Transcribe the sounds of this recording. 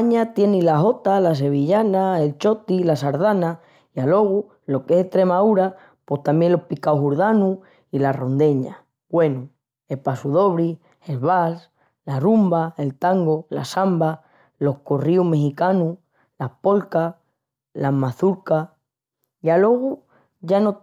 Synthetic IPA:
aɲat̪je̞nilaɦo̞t̪alas̬e̞β̞iʎanae̞lt͡ʃo̞t̪ilasaɾðana | ialo̞ɣu | lo̞keseht̪ɾe̞mauɾa | po̞st̪ambje̞lo̞hpikawɦuɾðanu | ilaro̞nd̪e̞ɲa̰ | ɡwe̞nu | e̞lpasuðo̞β̞ɾi | elβals | larumbae̞lt̪aŋɡola̰samba | lo̞hkoriume̞xikanu | lapo̞lka | lamaθuɾka | jalo̞ɣu | ʝano

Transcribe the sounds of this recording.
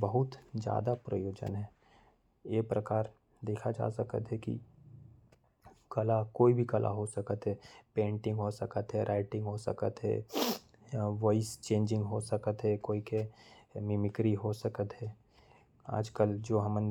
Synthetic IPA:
bəɦʊt̪d͡ʒja̰ːd̪apɾə̰joːd͡ʒə̰nɦɛ̃ː | jepɾəkaːɾ | d̪eːkʰad͡ʒa̰ːsəkə̰t̪ɦɛkḭ | kɐlakoːibʱikɐlʔa̰ɦosəkət̪ɦɛːpẽːɳʈɪ̃ŋɡɦosəkət̪ɦɛɾʔaːɪʈɪ̃ŋɡɦosə̰kə̰t̪ɦɛ̰ː | ʋɔːɪst͡ʃẽːɲd͡ʒɪ̃ŋɡɦosəkət̪ɦɛkoːikemɪmɪkɾiɦosəkət̪ɦɛː | a̰ːd͡ʒkəld͡ʒoːɦɐmən

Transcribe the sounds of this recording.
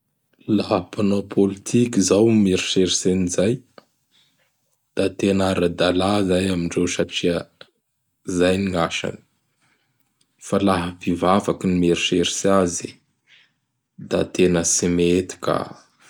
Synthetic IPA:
laɦəpanopʰolit̪ʰikizawmeɾi̥ʃeɾisenizaj | d̪̥at̪enaɾad̪alazajamiɳɖ͡ʐewsaʈ͡ʂiə | zajniŋaʃa̰ni̥ | falaɦəvivavakinimeɾiʃeɾi̥sazi | d̪a̰t̪enəsimet̪i̥ka̰

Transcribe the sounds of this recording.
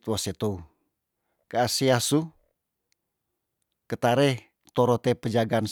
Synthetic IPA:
t̪wɔset̪ou | kaasiasu | kət̪aɾɛ | t̪oɾɔt̪epəd͡ʒaɡan

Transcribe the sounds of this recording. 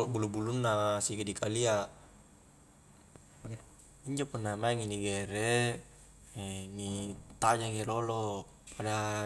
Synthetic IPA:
bulubulunːasiɡadikalia | iɲd͡ʒopunːamaɛŋiniɡɛɾɛ | ɛnit̪ad͡ʒaŋɛlolo | pʰada

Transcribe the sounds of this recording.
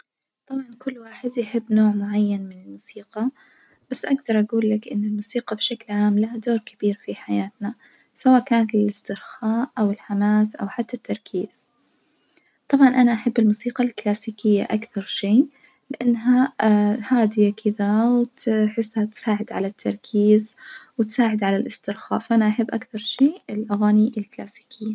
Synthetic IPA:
t̪ˤɑbʕɑnkʊlːwaːħɪd̪jɪħɪbːnoːʕmʊʕajːanmɪnɪlmuːsiːqɑ | b̥asːʔaɡd̪ɑɾˤʔaɡuːlːakʔɪnːɪlmuːsiːqɑbʃaklʕaːmlahad̪oːɾkab̥iːɾfiħajaːt̪na | sawaːʔkaːnat̪ɪlɪst̪ɪɾxaːʔʔawɪlħamaːsʔa̰wħat̪ːat̪ːɑɾˤkʰiːz̥ | t̪ˤɑbʕɑnʔanaʔaħɪbːɪlmuːsiːqɑlklaːsiːkɪjːa̰ʔakθɑɾˤʃiː | lɪʔanːɦahaːd̪ɪjakʰɪðawt̪ħɪsːhat̪saːʕɪd̪ʕalat̪ʰːɑ̰ɾˤkʰiːzwɪt̪saːʕɪd̪ʕalalʔɪst̪ɪɾxa̰ːfʔanaʔaħɪbːʔakθɑɾˤʃiːɪlʔaɣaːniʔɪlklaːsi̥ːkʰɪjːa

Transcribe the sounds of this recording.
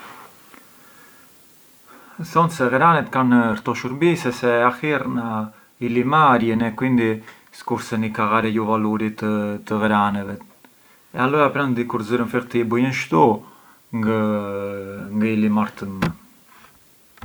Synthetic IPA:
θɔnsɛɣɾanɛt̪kanɾt̪ɔʃuɾbisɛsɛahiɾna | ilimaɾjɛnɛkwind̪i | skuɾsɛnikaɣaɾɛjuvaluɾit̪ət̪əɣɾanɛvɛ | ɛalɔjapɾand̪ikuɾzyɾənfɛɾt̪ibəjənʃt̪u | ə | ŋɡəilimaɾt̪əmə

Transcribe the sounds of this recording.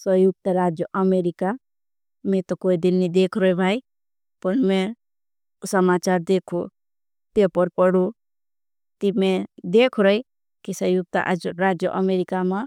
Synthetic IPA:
səjʊɡ̚t̪aɾaːd͡ʒjoʔəmeːɾɪka | mɛ̃t̪okoːid̪ɪlnid̪eːkʰɾɔibʱaːi | pɐnmɛ̃ | ʊsəmaːt͡ʃaːɾd̪eːkʰo | t̪epɔɾpɔɽu | t̪imɛ̃d̪eːkʰɾɔi | kisəjuɡ̚t̪ə̰ʔd͡ʒɾaːd͡ʒjoʔəmeːɾɪkamã

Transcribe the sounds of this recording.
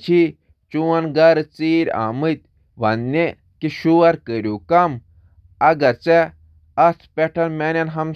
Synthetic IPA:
t͡ʃʰi | t͡ʃuwɐnɡɐɾɨt͡siːɾʲa̰ːmɨt̪̚ʲ | ʋɐnːe | kiʃuɐɾkəɾʲjuːkɐm | ɐɡɐɾt͡sɛ | ɐspʲɛʈʰɐlmɛnʲɐnɦɐm

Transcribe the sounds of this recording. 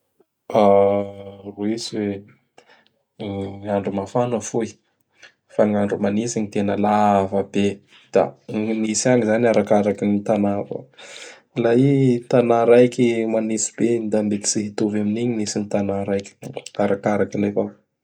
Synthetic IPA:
a | ruisiwe | aɳɖ͡ʐumafanəfui | faŋaɳɖ͡ʐumanisiɲit̪enəlavabe | d̪̥a̰nisaŋizanaɾakaɾakinit̪anavə̰ | lait̪anaɾajkimanisi̥bed̪ambet̪i̥siɦit̪ovaminiɲinisinit̪anaɾajki̥aɾakaɾakinefa

